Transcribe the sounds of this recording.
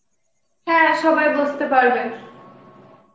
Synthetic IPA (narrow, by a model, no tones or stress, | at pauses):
hɛ̃ʃɔbajbolst̪epaɾben